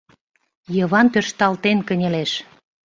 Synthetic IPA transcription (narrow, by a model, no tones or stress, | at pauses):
jəβɑnpørʃt̪ɑlt̪enkənʲeleʃ